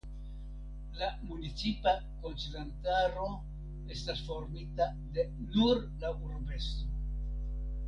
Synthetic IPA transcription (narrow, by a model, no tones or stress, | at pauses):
lamunit͡sipa | ko̞nt͡sinantaɾo̞ | e̞stasfo̞ɾmita | de̞ | nuɾlauɾbe̞sto